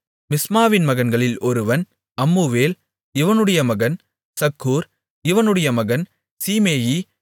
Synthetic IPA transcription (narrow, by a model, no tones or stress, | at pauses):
mɪsmaːʋɪnmɐɣɐnɡɐɭɪlɔɾɯʋɐn | ɐmːuːʋeːl | ɪʋɐnɯɽɐjɐmɐɣɐn | sɐkʰːuːɾ | ɪʋɐnɯɽɐjɐmɐɣɐn | siːmeːji